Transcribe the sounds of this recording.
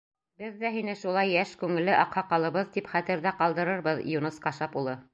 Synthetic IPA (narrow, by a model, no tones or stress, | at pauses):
bɘðːæɦinɘʃulˠɑjːæʃkʉŋɘ̆lːɘʔɑqhɑqɑlˠɤ̆βɤðt̪ipχæt̪ɘ̆ɾðæqɑlˠd̪ɤ̆ɾɤɾβɤðjunɤsqɑʃɑpulˠɤ